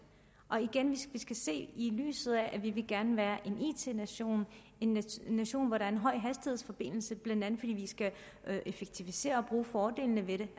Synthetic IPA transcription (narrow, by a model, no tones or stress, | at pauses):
ʔɒ̽iɡ̥enʋiʋisɡ̥æse̝̰ːily̰ːsð̩ˠæʔæʋiʋe̝lɡ̥æɐnəʋæːɐʔe̝nḭːt͡sʰe̝̰ːnæɕo̝̰ːn | e̝nːæɕo̝̰ːnʋɒɾɑ̈æɐenɦɒ̽ɪ̰ɦæsd̥i̥he̝ð̰ˠsfɒ̽b̥e̝n̰l̩səb̥lænd̥ænð̩ˠfɒ̽d̥ḭːʋisɡ̥æ | ʔefeɡ̥̚t͡sʰiʋise̝̰ːɐɒ̽b̥ʁuːfɒːd̥e̝̰ːlnəʋe̝ɾe̝